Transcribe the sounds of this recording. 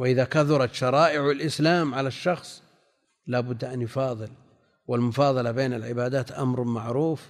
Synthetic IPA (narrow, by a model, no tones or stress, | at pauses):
wɪʔɪðakaθʊɾˤɑt̪ʃɑɾˤɑːʔɪʕɪlʔɪslaːmʕalaʃːɑxsˤ | laːbʊd̪ːʔanjʊfɑːðˤɨl | wɪlmʊfɑːðˤɑlɑbeːnɪlʕɪbaːd̪aːt̪ʔa̰mɾˤmaʕɾuːf